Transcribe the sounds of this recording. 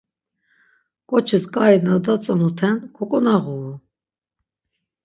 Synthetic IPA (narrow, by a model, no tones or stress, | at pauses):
kʼɔt͡ʃʰiskʼainad̪at͡sʼɔnut̪ʰɛnkʰɔkʼɔnaʁuu